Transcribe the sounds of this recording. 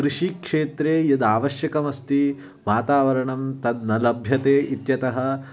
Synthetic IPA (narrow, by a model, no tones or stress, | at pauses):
kɾuʂikʂeːt̪ɾeːjɐd̪aːʋɐʃjɐkɐmɐst̪i | ʋaːt̪aːʋɐɾɐɳɐmt̪ɐd̪nɐlɐbʱjɐt̪eːʔit̪jɐt̪ɐɦɐ̆